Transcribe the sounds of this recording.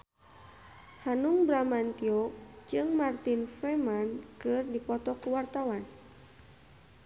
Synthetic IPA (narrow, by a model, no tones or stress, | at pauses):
hanuŋbɾamant̪iɔk̚d͡ʒɨŋmart̪infɛmankɨrdipɔt̪ɔkuwart̪awan